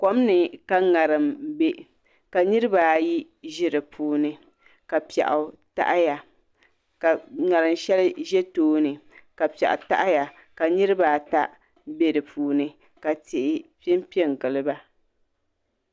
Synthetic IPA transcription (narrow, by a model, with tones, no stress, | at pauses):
ko˨˦m˦nɨ˨ka˨ŋa˨ɾɨ˨mbe˦ | ka˨nɨ˦ɾɨ˦baː˨ji˦ | ʒɪ˦ɾɨ˨pʰuː˨˦nɨ˨ | ka˨pɛ̰˨ʔʊ˨ta̰˦ʔja˨ | ŋa˨ɾɨ˨mʃɛ˦lʒɛ˦toː˦nɨ˨ka˨pɛ̰˨ʔʊ̰˨ta̰˦ʔa˦ja˨ | ka˨nɨ˦ɾɨ˦baː˨ta˦ | be˨dɨ˨pʰuː˨nɨ˨ | ka˨tɪ˨ʔɪ˨pi˦ɛ˦m˦pi˦ɛ˦˨ŋ˨ɡɨ˨lɨ˦ba˦